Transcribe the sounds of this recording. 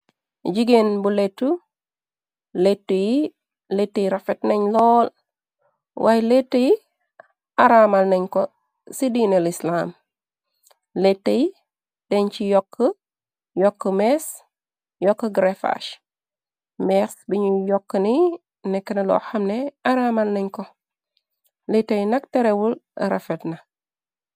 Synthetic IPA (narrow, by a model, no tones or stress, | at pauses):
ɟiɡenbuletːu | letːuji | letːəjiɾafetneɲlɔːl | wʔajletːəji | aɾaːmalneɲko | sidiːnelislam | letːeji | d̥eɲt͡ʃijɔkʰːə | jɔkːəmes | jɔkːəɡɾefa̰ʃ | mesbiɲujɔkːəni | nekːənelɔ̰xamneaɾamalneɲko | letːejnak̚teɾewul̰ɾa̰fetna